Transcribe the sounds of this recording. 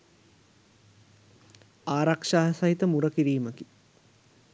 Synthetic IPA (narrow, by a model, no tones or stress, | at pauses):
aːɾakʂaːɦɐsɐɦit̪əmuɾəkiɾiːməki